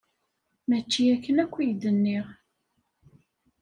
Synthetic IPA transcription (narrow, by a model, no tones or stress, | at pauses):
mæt͡ʃːiækːənækʷːijd̪ənːiʁ